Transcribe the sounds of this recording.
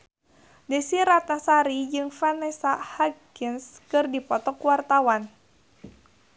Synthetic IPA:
desiɾat̪̚nasaɾid͡ʒɨŋfanɛsahaɡɪnskɨrdipɔt̪ɔkuwart̪awan

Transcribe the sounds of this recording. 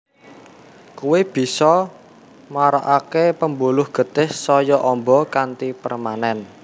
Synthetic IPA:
kuwɪb̥i̤sɔ | maɾa̰ʔakepəmbulʊhɡ̥ə̤t̪ɪhsɔjɔʔɔmbɔkant̪ipərmanɛn

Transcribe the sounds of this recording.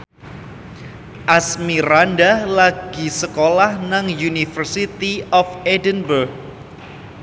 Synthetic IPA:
ʔasmiɾandalaɡ̥i̤səkolahnaŋjunifərsit̪iɔfedənbərɡ̚

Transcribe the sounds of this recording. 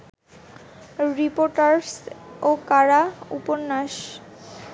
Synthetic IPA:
ɾipoɾʈaɾsokaɾaṵpoɾnaʃ

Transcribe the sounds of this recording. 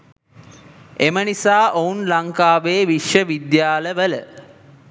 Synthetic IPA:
emənisaːʔounlaŋkaːʋeːʋiʃjəʋid̪jaːləʋələ

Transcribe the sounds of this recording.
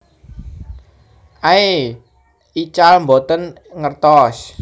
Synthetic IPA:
ʔae | it͡ʃalmbot̪ən | ŋərt̪ɔs

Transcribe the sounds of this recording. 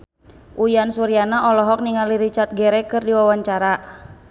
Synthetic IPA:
ʔujansuɾianaɔlɔɦɔk̚niŋaliɾit͡ʃat̪̚ɡɛɾɛkɨrdiwawaɲt͡ʃaɾa

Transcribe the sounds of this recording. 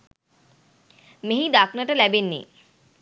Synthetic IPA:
meɦid̪aknaʈalɛbenːḭ

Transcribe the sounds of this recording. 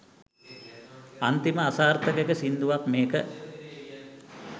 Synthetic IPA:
ant̪iməasaːɾt̪əkekəsind̪uʋakmeːkə

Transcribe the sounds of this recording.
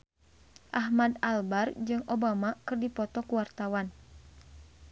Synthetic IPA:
ʔahmadalbard͡ʒɨŋʔobamakɨrdipɔt̪ɔkuwart̪awan

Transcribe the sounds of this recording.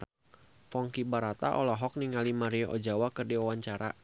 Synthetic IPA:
fɔŋkibaɾat̪a̰ʔɔlɔɦɔk̚niŋalimaɾiɔʔɔd͡ʒawakɨrdiawaɲt͡ʃaɾa̰

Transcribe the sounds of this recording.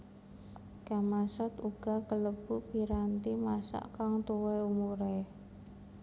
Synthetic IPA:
kamasɔt̪uɡ̥a̤kələb̥upiɾant̪imasa̰ʔkaŋt̪uweumuɾe

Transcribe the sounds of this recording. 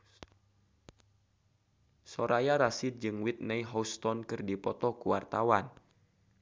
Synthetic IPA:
sɔɾajaɾasid̪̚d͡ʒɨŋwit̪̚nɛiɦɔst̪ɔnkɨrdipɔt̪ɔkuwart̪awan

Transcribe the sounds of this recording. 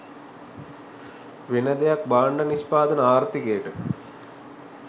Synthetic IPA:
ʋinɐd̪ejɐk̚baːɳɖɐnispaːd̪ɐnɐaːrt̪ikeːʈɨ

